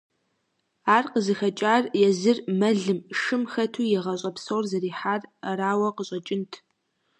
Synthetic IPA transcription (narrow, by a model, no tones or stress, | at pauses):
aːrqəzɨxɐt͡ʃʼaːrjɛzɨrmɐɮɨmʃɨmxɐtʰuːjɛʁɐɕʼɐpsowrzɐriːħaːrraːwɐqəɕʼɐt͡ʃʼɪntʰ